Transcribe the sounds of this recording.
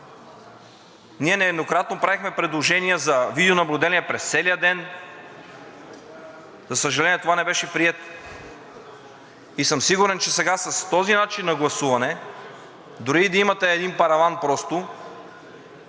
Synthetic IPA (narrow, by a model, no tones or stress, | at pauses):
niɛnɛːd̪nokɾat̪nopɾavixmɛpɾɛd̪lˠoʒɛnijəzɐvid̪ɛonɐblʲud̪ɛnʲiɛpɾɛst̪sɛlijəd̪ɛn | zɐsəʒɐlɛnʲijɛt̪ovanɛbɛʃɛpɾiɛt̪ | isɤmsiɡuɾɛnt͡ʃɛsɛɡasɐst̪ɔzinat͡ʃinːɐɡlˠɐsuvɐnɛ | d̪ʊɾiːd̪ɐimɐt̪ɛːd̪inpɐɾɐvanpɾɔst̪o